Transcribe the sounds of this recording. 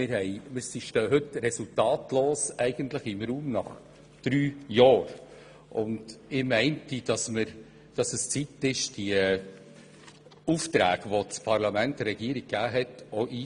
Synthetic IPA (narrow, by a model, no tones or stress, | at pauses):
ɪɾhɛɪmɪɾsiʃtœːɦɵtɾɛsultɑːtloːsɛɪɡ̥əntləχɪmɾuːmnɑχ | d̥ɾyːjɑːɾ | ʔʊnd̥ɪmɛɪntid̥ɑsməɾ | d̥ɑsəst͡sitɪʃd̥iə | uːftɾæ̰ːɡ̥ʋot͡spʰɑɾlɑmæntɾɛɡ̥iəɾiɡ̚ɡæːɦɛtoʔiː